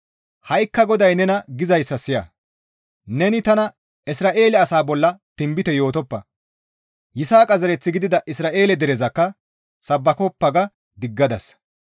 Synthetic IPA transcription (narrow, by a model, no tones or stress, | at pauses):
hɐjkːɐɡɔd̪ɐjnɛnɐɡɪzɐjsːɐsɪjɐ̰ | nɛnɪt̪ɐnɐ | ɪsɾaːʔeːlɛɐsaːbɔlːɐt̪ɪmbɪt̪ɛjo̞ːt̪ɔpːɐ | jɪsaːkʼɐzɛɾɛt͡sːɪɡɪd̪ɪd̪ɐʔɪsɾaːʔe̞ːlɛd̪ɛɾɛzɐkːɐ | sɐbːɐkɔpːɐɡɐ | d̪ɪɡːɐd̪ɐs